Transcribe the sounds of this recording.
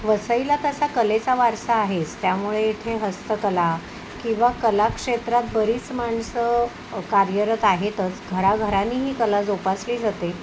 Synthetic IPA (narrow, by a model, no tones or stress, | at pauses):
ʋəsəilat̪əsakəlet͡saʋaɾsaːɦet͡st̪jamuɭeːt̪ʰeɦəst̪əkəla | kĩw̃ʋakəlakʂet̪ɾat̪̚bəɾiːt͡smaɳsə | kaɾjəɾət̪aɦet̪ət͡sɡʱəɾaɡʱəɾanːiːɦiːkəlad͡zupasliːd͡zat̪e